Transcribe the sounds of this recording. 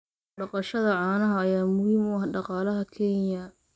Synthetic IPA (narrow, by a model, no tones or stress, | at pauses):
ɖɑqɑʃɐðɐʕɑːnɐɦɐːjaːmʊhiːmʊɐhɖɑqɑːlɐɦɐkʰɛnjɐ